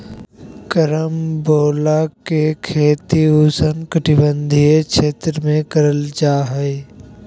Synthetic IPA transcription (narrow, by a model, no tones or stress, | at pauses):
kəɾəmboːlakekʰeːt̪iuːsənkəʈʰɪbə̃nd̪ʱiekʃeːt̪ɾəmẽkəɾəld͡ʒaːɦəe